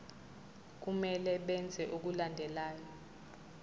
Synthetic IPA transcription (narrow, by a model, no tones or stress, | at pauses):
k̬umɛlɛɓɛnd͡zʱɛʔuk̬ulandʱɛlaːjɔ